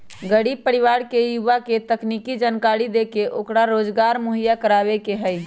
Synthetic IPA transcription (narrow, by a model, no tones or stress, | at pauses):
ɡəɽiːb̚pəɾɪʋaːɾkejuʋaket̪əkniːkid͡ʒaːnkaːɽid̪ekeʔoːkɽaɾoːd͡ʒɡaːɾmoɦəjakəɾaːʋekeɦɛi